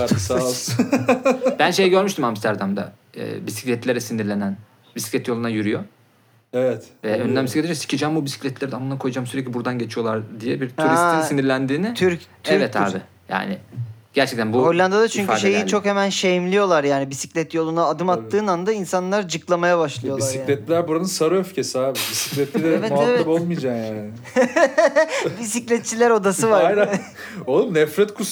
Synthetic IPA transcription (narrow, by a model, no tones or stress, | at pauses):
a | bænʃe̞jɛɟø̞ɾmyʃt̪ʰimhamst̪ʰæɾd̪amd̪a̰ | ɛ̰ːbisi̥clʲɛt̪lʲeɾɛsind̪iɾlʲe̞næn | bisi̥clʲɛt̪jolˠunajyɾyjo | evɛt̪vɛønd̪ænbisiclʲeed͡ʒɛsi̥cʰid͡ʒambubisi̥clʲɛt̪lʲeɾiamnakʰo̞jad͡ʒaːmsyɾɛclʲibuɾd̪anɟe̞t͡ʃʰijo̞lˠaɾd̪ijɛbiɾt̪ʰuɾast̪inssiniɾlʲænd̪iːnɪt̪ʰyɾt̪ʰɾɛt̪ʰa̰ɾb̪ɯ | ja̰ːnɪɟ̥æɾt͡ʃʰɛk̚t̪ʰænbuholʲːand̪ad̪at͡ʃʰyɲcyʃe̞jit͡ʃʰo̞khemænʃejimlʲijo̞lˠaɾjaːnibisi̥clʲɛt̪jo̞lˠunaːd̪ɯmat̪ːɯːnand̪ainsanlˠaɾd͡ʒɯklˠamajabaʃlˠɯɯjo̞liasasicːlʲɛt̪lʲæɾbuɾanɯnsaɾuøfcesiaːbib̪isi̥clʲɛt̪lid̪ɛɛvɛt̪evpolˠmijd͡ʒakjaːɪ | b̪is̬iclʲɛt̪̚t͡ʃʰːilʲæɾo̞d̪asɯvaɾan | olˠumnɛfɾɛt̪kʰus